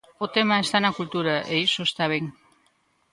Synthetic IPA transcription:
ot̪emaest̪anakult̪uɾaʔeisost̪aβeŋ

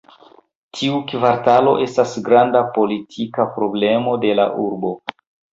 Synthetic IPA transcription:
tʰiukvaɾtalo̞̰ʔe̞stasɡɾandapo̞litʰikapɾo̞ble̞mo̞de̞la̰ʔuɾbo̞

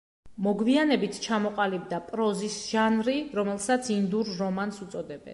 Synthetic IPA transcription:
mɔɡvianɛbit̪ʰt͡ʃʰamɔqʼalib̚d̪apʼɾɔzisʒ̥anɾiɾɔmɛlˠsat̪sʰind̪uɾːɔmansut̪sʼɔd̪ɛbɛ̰n

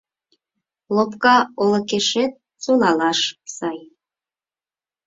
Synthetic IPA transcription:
lopkɑolə̆keʃet̪̚ | sonɑlɑʃsɑj

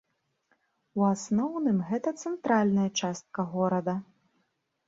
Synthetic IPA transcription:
uasnɔwnɨmɣɛt̪ɐt̪sɛnt̪ɾalʲnɐjɐt͡ʂast̪̚kɐɣɔɾɐd̪ɐ

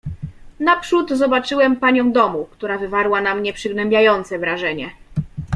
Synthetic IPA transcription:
napʂud̪zɔbat͡ʂɘwɛmpaɲɔ̃w̃d̪ɔmukt̪uɾavɘvaɾwanamɲɛpʂɘɡnɛmbʲjajɔnt̪sɛvɾaʐɛɲɛ

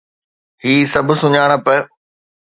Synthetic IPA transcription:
hiːsɐb̆ʱsʊɲaːɽ̃ə̆pɐ

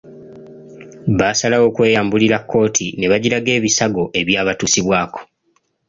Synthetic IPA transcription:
βasalawo̞ːkwe̞ːjaːmbuliɾakːo̞ːtʰine̞βaɟiɾaɡe̞ːβisaɡo̞ʔe̞βjaːβatuːsiβwaːko̞̥

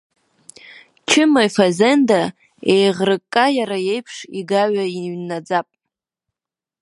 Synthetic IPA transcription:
t͡ʃʰɪmajfazenda | ejʁrɨkʼːajaɾajejpʰʂiɡaɥaiɥnːad͡zapʼ

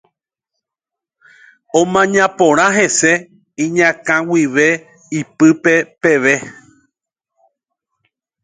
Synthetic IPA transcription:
õmãɲãpõɾ̃ãɦe̞se̞ | ĩɲãkãwiʋe̞ | ipɨpepe̞ʋe̞

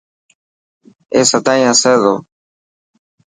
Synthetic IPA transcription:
esat̪aɲaseðo

